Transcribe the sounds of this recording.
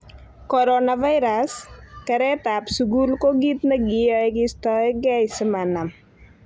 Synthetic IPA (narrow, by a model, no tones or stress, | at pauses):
kɔɾonaʋajɾaskəɾet̪apsuɡulkoɡit̪nəɡiɔjɡist̪ɔɡajsəmanam